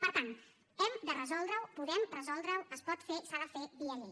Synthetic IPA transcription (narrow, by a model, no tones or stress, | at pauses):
pəɾt̪ant̪ | ɛmd̪ərəzɔlˠd̪ɾəwpuðɛmrəzɔlˠd̪ɾəwəspɔt̪fesaðəfeβiəʒe